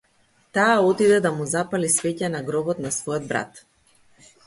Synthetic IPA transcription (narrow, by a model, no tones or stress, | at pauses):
t̪aːɔt̪id̪ɛd̪amuzapalisvɛcanaɡɾɔbɔt̪nasvɔjɔd̪̚bɾa̰t̪